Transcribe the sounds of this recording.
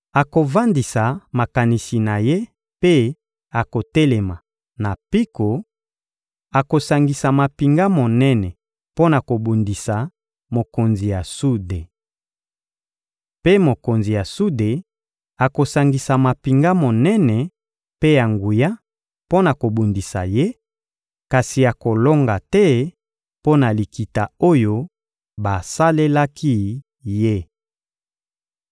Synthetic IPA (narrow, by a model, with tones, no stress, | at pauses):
a˨ko˨va˦ndi˨sa˨ma˨ka˨ni˨si˨na˨je˦ | pe˦ | a˨ko˨tɛ˦le˨ma˨ | na˨pi˦ko˨ | a˨ko˨sa˨ŋɡi˨sa˨ma˨pi˨ŋɡa˦mo˨nɛ˦nɛ˨ | po˦na˨ko˨bu˨ndi˨sa˨ | mo˨ko˨nzi˨ja˨su˦de˨ | pe˦mo˨ko˨nzi˨ja˨su˦de˨ | a˨ko˨sa˨ŋɡi˨sa˨ma˨pi˨ŋɡa˦mo˨nɛ˦nɛ˨ | pe˦ja˨ŋɡu˨ja˦ | po˦na˨ko˨bu˨ndi˨sa̰˨je˦ | ka˨si˨a˨ko˨lo˦ŋɡa˨tɛ˦ | po˦na˨li˨ki˨ta˨o˦jo˦ | ba˨sa˦le˦la˦kʰi˦ | je˦